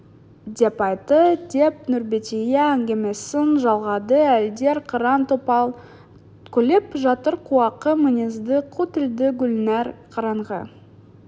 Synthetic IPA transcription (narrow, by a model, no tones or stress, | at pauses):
d̪ʲepɑjt̪əd̪̥ʲep̚nʊɾbet̪ʲejeːŋɡʲe̞mesɪnʒɑlˠʁɑd̪əæld̪e̞ɾqʰəɾɑnt̪opɑlˠ | kʲʰɵle̞pʒɑt̪əɾqʰuɑqəmɪnʲezd̪ɪqʰut̪ɪld̪ɪɡʲʊlnæɾqʰɑɾɑɴʁɑ̰